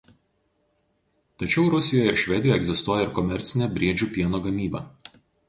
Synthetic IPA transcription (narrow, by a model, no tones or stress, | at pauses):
t̪ɐt͡ʃʲɛʊɾʊsʲɪjɔjɛɪɾʃʲʋʲɛd̪ʲɪjoɛɡzʲɪst̪uɔjɛɪɾkɔmʲɛɾʲt̪sʲɪnʲɛbʲɾʲiɛd͡ʒʲuːpʲiɛnoːɡɐmʲiːbɐː